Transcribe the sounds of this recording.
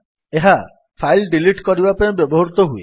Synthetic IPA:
eɦa | pʰajlɖiliʈkɔɾibapaĩbjɔbɔɦɔɾut̪ɔɦuḛ

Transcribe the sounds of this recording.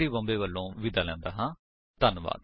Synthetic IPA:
iːbə̃mbeːʋəlːõːʋɪd̪aːlɛ̃ːnd̪a̰ːɦãː | t̪ənʋa̰ːd̪

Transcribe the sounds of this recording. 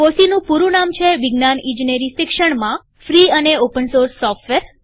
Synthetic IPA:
kosinũpuɾũnamt͡ʃʰeʋɪɡnanĩd͡ʒneɾiʃɪkʂəɳmã | fɾiəneopənsoɾsːɔfʈʋeɾ

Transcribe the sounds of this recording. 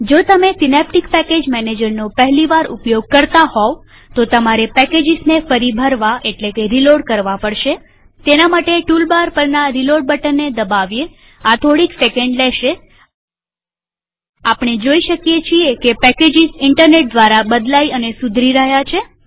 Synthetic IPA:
d͡ʒot̪əmesɪnɛp̚ʈikpɛked͡ʒmɛned͡ʒəɾnopəɦliʋaɾṵpjoɡ̚kəɾt̪ahɔ | t̪ot̪əmaɾepɛked͡ʒɪznefəɾibʱəɾʋaʔeʈlekeɾiloɽkəɾʋapəɽʃe | t̪enamaʈeʈulbaɾpəɾnaɾiloɖ̚bəʈənːed̪əbaʋje | at̪ʰoɽiksekəɳɖleʃe | apɳ̃ed͡ʒoiʃəkjet͡ʃʰiekepɛked͡ʒɪzɪɳʈəɾneʈ̚d̪ʋaɾabəd̪laiənesud̪ʱɾiɾəɦjat͡ʃʰe

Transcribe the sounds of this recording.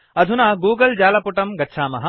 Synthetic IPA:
ɐd̪ʱunaːɡuːɡɐld͡ʒaːlɐpuʈɐmɡɐtːʃʰaːmɐɦɐ

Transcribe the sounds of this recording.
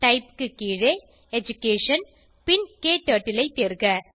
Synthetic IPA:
ʈɐɪpkɯkiːɻe | ɛd͡ʒʊkeːʂɐn | pɪnkeːʈɐːʈːɪlɐɪt̪ːeːɾɣɐ

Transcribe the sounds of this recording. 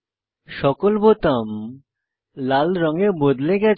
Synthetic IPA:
ʃɔkolbot̪am | lalɾɔŋebod̪leɡɛt͡ɕ

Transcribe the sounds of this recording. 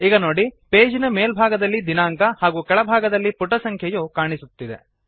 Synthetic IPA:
iːɡɐnoːɽipeːd͡ʒinɐmeːlbʱaːɡɐd̪ɐlːid̪inaːŋkɐhaːɡuːkɛɭɐbʱaːɡɐd̪ɐlːipuʈɐsɐŋkʰjɐjuːkaːɳisut̪ːid̪e̞̰

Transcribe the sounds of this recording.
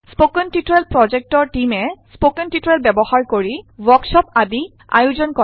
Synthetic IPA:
spokɔntitɹelpɹɔd͡ʒɛk̚tɔɹʈimɛspokɔntitɹelbɛbɔhaɹkoɹiwɔksɔpadi | a̰juzɔnkɔ

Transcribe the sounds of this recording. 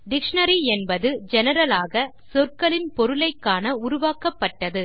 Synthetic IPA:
ɖɪkʂɐnɐɾiɛnbɐðɯd͡ʒɛnɐɾɐlaːɣɐ | sɔrkɐɭɪnpɔɾɯlɐɪkːaːnɐʊɾʊʋaːkɐpːɐʈːɐðɯ

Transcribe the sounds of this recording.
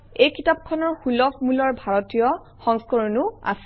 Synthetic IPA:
ejkʰitap̚kʰɔnɔɹxulɔpmulɔɹbʱaɹɔtijɔ | xɔŋskɔɹɔnua̰sɛ̥

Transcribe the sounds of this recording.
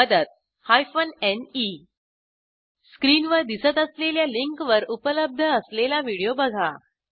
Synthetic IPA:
məd̪ət̪̚ | hajfəneni | skɾiːnʋəɾd̪isət̪əsleljaliŋkʋəɾupələb̚d̪ʱəːslelaʋiɽijobəɡʱa

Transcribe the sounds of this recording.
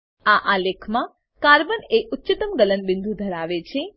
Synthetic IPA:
aʔalekʰmã | kaɾbəneʔʊtːt͡ʃət̪əmɡələnbɪnd̪ʱud̪ʱəɾaʋet͡ʃʰe

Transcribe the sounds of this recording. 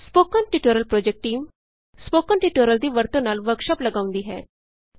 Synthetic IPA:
spokənʈiʈoɾəlpɾod͡ʑek̚ʈːiːm | spokənʈiʈoɾəld̪iːʋəɾt̪õnaːlʋəɾkʂəplɐɡaːʋ̃nd̪iɦɛː

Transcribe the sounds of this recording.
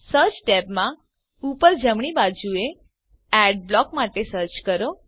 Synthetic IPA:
səɾt͡ʃʈɛpmã | upəɾd͡ʒəmɳ̃ibad͡ʒue | ɛɖ̚blɔkmaʈesəɾt͡ʃkəɾo

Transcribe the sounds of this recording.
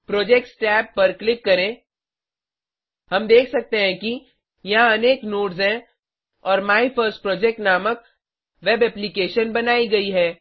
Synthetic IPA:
pɾoːd͡ʒeːk̚ʈsʈɛːpːɐɾklɪkːɐɾẽ | ɦɐmd̪eːkʰsɐk̚t̪eɦɛ̃ki | jɐɦãɐneːknoːʈzɦɛ̃ | ɔːɾmaːipʰəɾsʈ̚pɾoːd͡ʒek̚ʈnaːmək̚ | ʋebɛːplikeːʃənbɐnaːiɡɐiɦɛː

